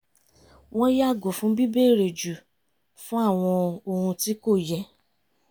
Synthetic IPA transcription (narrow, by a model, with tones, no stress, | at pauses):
w̃ɔ̃˦ja˦˨ɡo˨fũ˦bi˦be˦˨ɾe˨d͡ʒu˨ | fũ˦a˦˨w̃ɔ̃˧o˧hũ˧ti˦ko˦˨jɛ˧